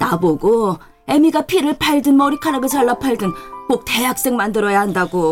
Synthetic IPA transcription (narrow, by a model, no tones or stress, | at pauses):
naboɡo | e̞miɡapʰiɾɯɭpʰaɭdɯnmʌɾikʰaɾaɡɯt͡ɕaɭːapʰaɭdɯnkok̚te̞jak̚s͈ɯŋmandɯɾʌjahandaɡo